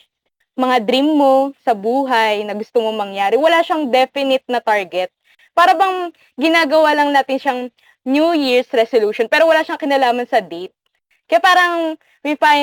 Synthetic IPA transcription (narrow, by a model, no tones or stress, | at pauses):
mɐŋad̪ɾimːo̞sɐbuːɦɐjnɐɡʊst̪omomɐŋjaːɾɛwɐlaʃɐŋd̪ɛfɪnɪt̪̚nɐt̪aɹɡɛt̪̚ | paːɾɐbɐŋ | ɡɪnaːɡɐwalɐŋnaːt̪ɪnʃɐŋ | njujiɹsɾɛsoluːʃonpɛːɾowɐlaʃɐŋkɪnɐlaːmɐnsɐd̪ejt̪̚ | kɐjapaːɾɐŋ | wifaj